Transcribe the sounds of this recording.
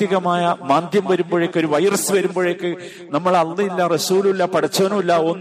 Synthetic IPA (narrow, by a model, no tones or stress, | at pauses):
iɣɐmaːjɐmaːnd̪ʱjɐmʋɐɾumboːɻekːo̞ɾuʋɐjɐrɐsɨʋɐɾumboːɻekːɨ | nɐmːɐɭɐlːɐilːɐrɐsuːlulːɐpɐɽɐt͡ɕːɐːnɐmilːɐonː